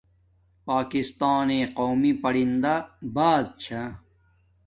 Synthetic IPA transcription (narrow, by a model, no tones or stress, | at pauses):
paːkist̪aːneːqoːmipɐɽind̪abaːd̪̚t͡ɕʰa